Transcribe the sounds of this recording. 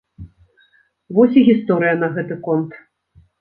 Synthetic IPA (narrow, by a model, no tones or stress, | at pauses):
vɔsʲiɣʲist̪ɔɾɨjɐnɐɣɛt̪ɨkɔnt̪